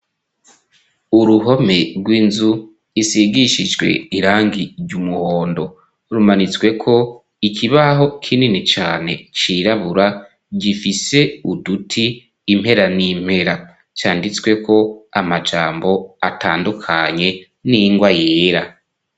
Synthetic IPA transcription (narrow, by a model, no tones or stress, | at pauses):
uɾuɦo̞me̞ɾɡwiːnzu | isiɡiʃid͡ʒɡwe̞̰iɾaːŋɡiɾɟumuhoːndo̞ | ɾumanit͡swe̞kʰo̞ | ikʰiβaɦo̞kʰininit͡ʃaːne̞̰t͡ʃiɾaβuɾa | ɟifise̞udutʰiː | m̥he̞ɾanim̥he̞ɾa | t͡ʃaːndit͡swe̞kʰo̞amad͡ʒaːmbo̞ataːndukʰaɲe̞ | niŋɡwajeːɾa